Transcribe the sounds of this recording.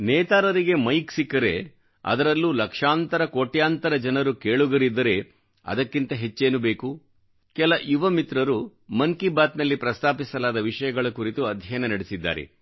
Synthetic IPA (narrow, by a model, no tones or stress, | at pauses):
nɛːt̪aːɾɐɾiɡe̞mɐjksikːɐɾe̞̰ | ɐ̰d̪ɐɾɐlːulɐkʂaːnt̪ɐɾɐkoːʈjaːnt̪ɐɾɐd͡ʒɐnɐɾukeːɭuɡɐɾid̪ːɐɾe̞ | ɐ̰d̪ɐkːint̪ɐɦe̞t͡ʃːeːnube̞ːku | kɛlɐʔjuʋɐmit̪ɾɐɾumɐŋkibaːt̪nɐlːipɾɐst̪ʰaːpisɐlaːd̪ɐʋiʂɐjɐɡɐɭɐkuɾit̪uɐd̪ʱjɐjɐnɐnɐɽesid̪ːa̰ːɾḛ